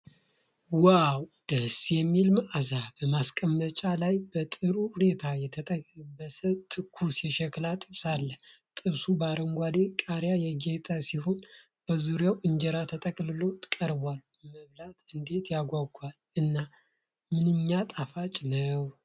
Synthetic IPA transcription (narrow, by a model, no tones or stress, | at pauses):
wawd̪̥əsjɛmːilmaʔazabəmaskʼəmːət͡ʃʼalajb̥ət̪ʼɨɾuhune̞t̪ʰajɛt̪ʰət̪ʼəbəsət̪ʰɨkʰːusjɛʃɛklat̪ʼɨβsalːəh | t̪ʼɨβsubaɾəŋɡʷad̪ekʼaɾjajɛɡet̪ʼasiho̞n | b̥əzuɾjawʔɨɲd͡ʒɛɾat̪ʰət̪ʼəkʼlɨlo̞kʼəɾbal | məβlat̪ɨnd̪e̞t̪jaɡʷaɡal | ɨnːa | mɨnɨɲːat̪ʼafat͡ʃʼnəw